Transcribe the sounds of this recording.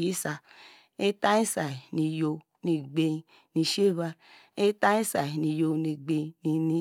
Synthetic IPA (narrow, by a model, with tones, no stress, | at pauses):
i˨˦sa˧ | e˦ta˦ĩ˦sa˨i˨ni˧jo˧ | nĩ˧ɡ͡be˧i˧ | nĩ˧ʃe˦˨βa˧ | e˦ta˦ĩ˦sa˨i˨nĩ˧jo˧ni˧ɡ͡be˧ni˧ni˧